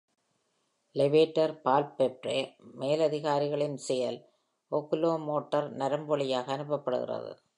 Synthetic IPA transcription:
lɛʋeːʈːɐɾpaːlpːɛʈremeːlɐðɪɣaːɾɪɣɐɭɪnsɛjɐl | okːloːmoːʈːɐɾnɐɾɐmbɔɭɪjaːɣɐːnɯpːɐpːɐɽɯɣɪ̰rɐ̰ðɯ̰

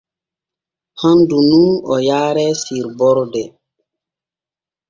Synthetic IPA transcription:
handunuɔjaːɾɛsiɾbɔɾdɛ

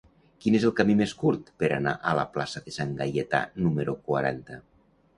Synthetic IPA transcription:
kinezelˠkamimeskuɾt̪peɾana̰ʔəla̰plasaðesaŋɡajet̪a̰numeɾukwaɾa̰nt̪ə

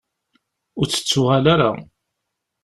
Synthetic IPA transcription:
ʊɾt͡sːə̥t͡sːʊʁalaɾa̰

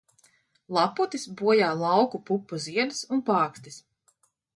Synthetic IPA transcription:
lˠɑput̪isbuɔjaːlˠɑwkupupːuziɛd̪sunpɑːkst̪is

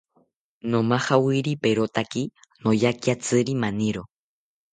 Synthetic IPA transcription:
nomahawiɾipeɾot̪aki | nojakiat͡sɨɾimaniɾo

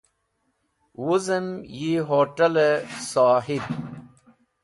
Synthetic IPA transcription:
wuzəmjiɦoːʈɐlesaːɦib̚

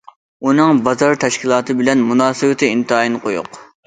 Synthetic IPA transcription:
unɨŋbɑzɑɾt̪ʰɛʃkʲilˠɑːt̪ʰɨbɪlɛnmunɑːsɨwɪt̪ʰɪint̪ʰɨɑːjinɨqʰojʊ̰q

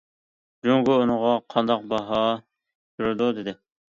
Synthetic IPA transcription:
d͡ʒoŋɡʊunəŋʁɑqʰɑnd̪ɑq̚bɑɦɑ | j̪uɾɪd̪ud̪ɪd̪ɪ

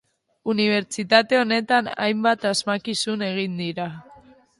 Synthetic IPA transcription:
uniβ̞e̞ɾt͡ʃit̪at̪e̞o̞ne̞t̪ana̰jmbat̪azmakisune̞ɣ̞ind̪iɾa

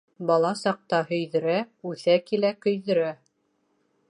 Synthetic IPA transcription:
bɑlˠɑsɑq̚t̪ɑhɵ̆jðɘ̆ɾæʉθækilækɵ̆jðɵ̆ɾæ

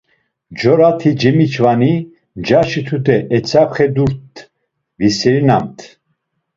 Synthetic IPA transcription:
d͡ʒɔɾat̪ʰid͡ʒɛmit͡ʃʰvani | d͡ʒaʃit̪ʰud̪ɛʔɛt͡sʰapχɛd̪uɾt̪ː | visɛɾinamt̪ʰ

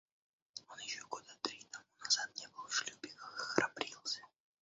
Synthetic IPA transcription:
ɔnjɛʃoɡɔd̪at̪ɾit̪amunaz̥at̪̚ɲɛbɨlˠʃlʲubʲɪkxɾapɾilˠsɛ

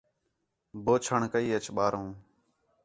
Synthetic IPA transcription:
boːt͡ʃʰəɳkəiːət͡ʃʰɓaːɾõː

